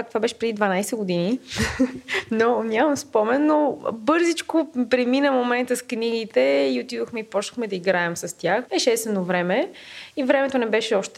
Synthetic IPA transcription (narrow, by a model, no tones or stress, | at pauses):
akt̪ovabɛʃɛ̥pɾɛd̪id̪vɐnajsɛɡod̪ini | nonʲjamɐmspɔmɛnnːobɤɾzit͡ʃkopɾɛminəmomɛnt̪əskniɡit̪ɛiot̪id̪oxmɛipɔt͡ʃnəxmɛd̪ɐiɡɾaɛmsɐst̪ʲjaxɛʃt̪ɛst̪vɛnovɾɛmɛivɾɛmɛt̪onɛbɛʃɛɔʃt̪ɛ